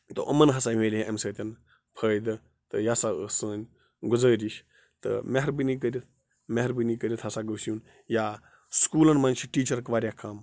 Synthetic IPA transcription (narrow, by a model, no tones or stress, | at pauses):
t̪ɨ̰ʔɐmɐnɦɐsaːmeːlʲieɐmsɐːt̪ʲɐn | pʰəːjd̪ɨ | t̪ɨjaːsasəːnʲ | ɡʊzəːɾʲiʃ | t̪ɨ̰meɦɐɾbinik̬ɐɾʲit̪̚ʰ | meɦɐɾbɨnikəɾʲit̪ʰɦɐsaːɡəːsuːn | jaː | skuːlɐnmɐːnʲt͡ʃʰiʈiːt͡ʃɐɾkʋaːɾʲjaːkʰaːm